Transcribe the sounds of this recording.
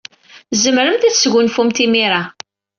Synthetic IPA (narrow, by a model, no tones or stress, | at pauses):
zəmɾəmθæθsʝʷʊnfumt̪imiɾa